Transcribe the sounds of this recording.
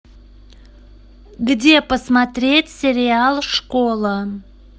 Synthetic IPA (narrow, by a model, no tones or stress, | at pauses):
ɡdʲepəsmat̪ɾʲetʲsʲɪɾʲɪalˠʂkolˠə